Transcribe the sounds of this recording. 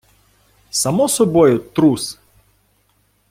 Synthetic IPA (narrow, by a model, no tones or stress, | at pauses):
samɔsɔbɔjʊt̪ɾus